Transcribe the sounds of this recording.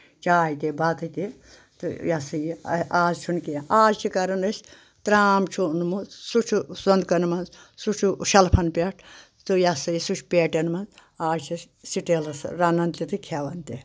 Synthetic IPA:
t͡ʃaːjt̪ʲebɐt̪ɨt̪i | t̪ɨ̰jɐsɨjḭaːzt͡ʃʰunkeaːzt͡ʃʰikɐɾɐnɐsʲ | t̪ɾaːmt͡ʃʰunmusut͡ʃʰusɐnd̪kɐnmɐnz | sut͡ʃʰuʃɐlpʰɐnpʲɐʈʰ | t̪ɨjɐsɨjisut͡ʃʰpeːʈɐnmɐnzaːzt͡ʃʰis | siʈelɐsɾɐnɐnt̪ʲit̪ɨkʲʰɐʋɐnt̪e

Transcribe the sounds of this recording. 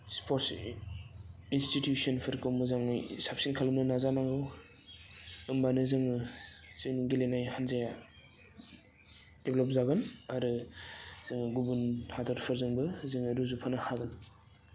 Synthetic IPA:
spʰoɾts | institjusɔnpʰɯɾkʰɯwmɯzaŋɯsap̚sinkʰalumnɯnazanaŋɾɯw | ɯmbanɯzɯŋɯzɯjniɡilenajhanzaja | deblɔp̚zaɡɯnaɾɯ | z̥ɯŋɡubunhadaɾpʰɯɾzɯŋbɯzɯŋɯɾuzupʰanɯhaɡɯn

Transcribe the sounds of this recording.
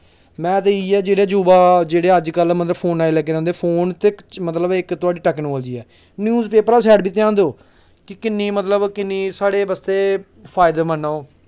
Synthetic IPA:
mɛ̃ːt̪̬eːiːɛːd͡ʒeːɽeːd͡ʒuːbaːd͡ʒeːɽeːəd͡ʒkəlmət̪ləbpʰoːnaːilɛːk̬eːɾɛ̃ːnd̪eːpʰoːnt̪ɪkmət̪ləbɪkt̪ʊaːɖiːʈəknoːld͡ʒiːɛː | njuːzpeːpəɾaːsɛːɖbiːt̪ɪãːnd̪oː | kɪkɪnːiːmət̪ləbkɪnːiːsaːɽeːbəst̪eː | pʰaːɪd̪eːmənːaːoː

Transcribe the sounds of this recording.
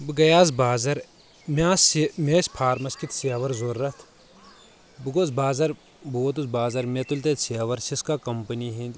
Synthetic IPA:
bɨɡɐjaːzbaːzɐɾ | mʲaːsmeːsʲpʰaːɾmɐskit̪ʰsiɐʋɐɾzoɾːɐt̪ʰ | bɨɡoːzbaːzɐɾ | boːt̪uzbaːzɐɾmet̪ulʲt̪et̪siɐʋɐɾsiskaːkɐmpɐniɦĩnd̪

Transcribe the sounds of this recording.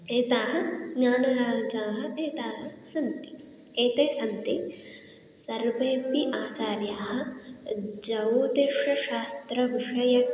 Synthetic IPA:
eːt̪aːɦɐɲaːnɐɾaːd͡ʒaːɦɐ̆ʔeːt̪aːɦɐ̆sɐnt̪i̥ | eːt̪eːsɐnt̪i | sɐɾʋeːpiʔaːt͡ʃaːɾjaːɦɐ̆ | d͡ʒɐwd̪eʂɐʃaːst̪ɾɐʋiʂɐjɐ

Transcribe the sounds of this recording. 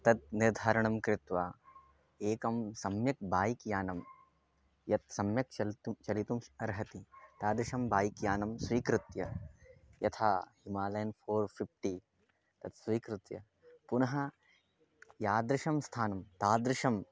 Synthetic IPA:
t̪ɐt̪̚niɾd̪ʱaːɾɐɳɐmkɾɪt̪ʋaː | eːkɐmsɐmjɐk̚baːjikjaːnɐm | jɐt̪̚sɐmjɐk̚t͡ʃɐlt̪ut͡ʃɐlit̪umɐɾɦɐt̪it̪aːd̪ɾɪʃɐmbaːjikjaːnɐmsʋiːkɾɪt̪jɐ | jɐt̪ʰaːhimaːlɐjɐnpʰoːɾpʰipʈi | t̪ɐd̪sʋiːkɾɪt̪jɐ̰ | punɐɦɐ | jaːd̪ɾɪʃɐmst̪ʰaːnɐmt̪aːd̪ɾɪʃɐm

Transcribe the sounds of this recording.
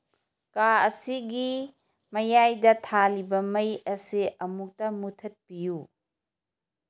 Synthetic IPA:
kaɐsiɡi | mɐjajdɐtʰalibɐmɐjɐsiɐmuk̚tɐmutʰɐt̚piju

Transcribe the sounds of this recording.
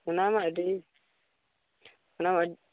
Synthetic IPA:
unamadi | unama

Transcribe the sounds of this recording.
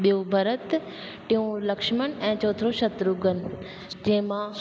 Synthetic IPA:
ɓijobʱɐɾət̪ | ʈ̪ĩũlɐkʃmənɛ̃ːt͡ɕɔːt̪ʰɾoʃɐt̪ɾuɡənɪ̆ | d͡ʑɐ̃ɦɪ̃mã

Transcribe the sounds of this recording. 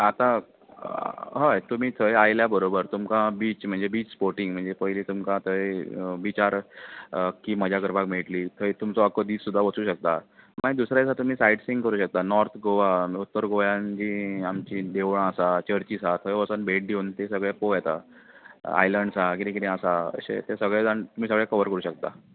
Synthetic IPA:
at̪ã | ɦəjt̪um̤iːt̪ʰəjajljabəɾobəɾt̪umkãbiːt͡ɕm̤əɳd͡zebiːt͡ɕspoɾʈiŋɡm̤əɳd͡zepəɦiliːt̪umkãt̪ʰəbit͡ɕaɾ | kiːməd͡ʑʱakəɾpakmeʈliːt̪ʰəjt̪umt͡sɔakəd̪iːt͡ssud̪ʱːaʋət͡suːɕək̚t̪amaid̪usɾat͡sat̪um̤iːsajɖsiŋɡkəɾuːɕək̚t̪anɔɾt̪ʰɡoʋaut̪ːəɾɡojãnd͡ʑiːamt͡ɕiːd̪eʋɳ̃ãəsat͡ɕəɾt͡ɕisat̪ʰəjʋət͡sənbeʈ̚d̪ʱeunt̪esəɡɭepojɛt̪a̰ | a̰jləɳɖsakiɾĩkiɾẽasaə̰ɕḛt̪esəɡɭed͡zant̪um̤iːs̬əɡɭekəʋəɾkəɾuːɕək̚t̪a̰

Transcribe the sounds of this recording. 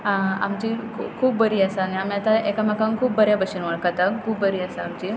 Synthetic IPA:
ãa̰mt͡ɕiːkʰuːpb̚bəɾiːasaniamiat̪aekamakaŋkʰuːp̚bəɾjabəɕənʋaɭkat̪akʰuːp̚bəɾiːasaamt͡ɕiː

